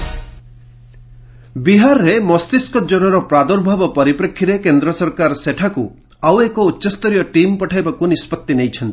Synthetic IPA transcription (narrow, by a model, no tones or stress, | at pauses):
biɦaɾɔɾemɔst̪iskɔd͡ʒɔɾɔɾɔpɾad̪ɔɾbʱabɔpɔɾipɾekʰːiɾekend̪ɾɔsɔɾkaɾɔseʈʰaku | awekɔutːʃɔst̪ɔɾijɔʈimpɔʈʰajbakunispɔt̪ːinejt͡ʃʰɔnt̪i̥